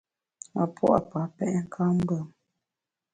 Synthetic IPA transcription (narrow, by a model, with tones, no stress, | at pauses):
a̰˨pʰwɔ̰˦ʔa˨pa˨pɛ˦ʔŋ̩˦kʰa˦m̩˦bə˦˨m